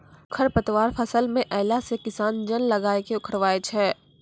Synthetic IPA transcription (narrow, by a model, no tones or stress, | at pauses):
kʰɐɾpət̪ʋaːɾfʰɐsəlmẽʔɛːlasekɪsaːnd͡ʒənlɐɡaːekeʊkʰəɽʋaːet͡ʃʰɛː